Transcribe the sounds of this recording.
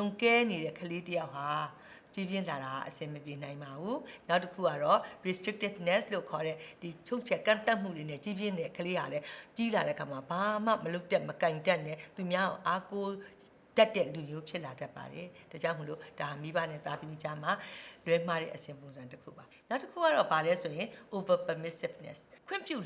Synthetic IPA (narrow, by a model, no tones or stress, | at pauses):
lõkɛneɾɛ̰kʰəletəjaʊɦa | t͡ɕibjɪ̃laɾaa̰ʔəsɪ̃məpjen̥ãɪ̃mbabunaʊtːəkʰṵɡa̰ɾɔɹistɹɪk̚tɪpnɛslo̰kʰɔɾɛd̥it͡ɕʰõʊ̃t͡ɕʰɛkã̰t̪aʔm̥ṵɹenɛt͡ɕibjɪ̃nɛkʰəleɦa̰lɛt͡ɕilaɾɛ̰ʔəkʰamabam̥a̰məloʊtɛməkãɪ̃ndanɛt̪umjaoʔako | d̥atːɛ̰lumjopʰjɪʔladapːa̰ɾɛd̥ad͡ʑãmolo̰d̥ahamibanɛ̰t̪ad̪əmid͡ʑam̥a̰lwɛ̃m̥aɾɛ̰ʔəsɪ̃mp̬õʊ̃nzãntəkʰṵbanaʊtəkʰṵɡa̰ɔbalɛsojɪ̃ʔovəpəmɪsɪbnɛ̰skʰwɪ̰̃mpjṵ